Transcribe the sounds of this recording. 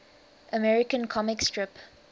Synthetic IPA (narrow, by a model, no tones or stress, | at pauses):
ʔəmɛɹɪkə̃nkʰɔmɪkstʰɹɪp